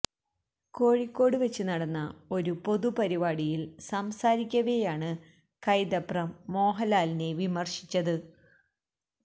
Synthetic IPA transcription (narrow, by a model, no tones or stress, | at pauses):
ko̞ːɻikʲːo̞ːɽɨʋet͡ɕːɨnɐɽɐnːɐo̞ɾupo̞ðupɐɾibaːɽijilsɐmsaːɾikʲːɐʋejaːɳɨ | kɐjd̪ɐprɐmːo̞ːɦɐlaːline̞ʋimɐrʂi̥t͡ɕːɐðɨ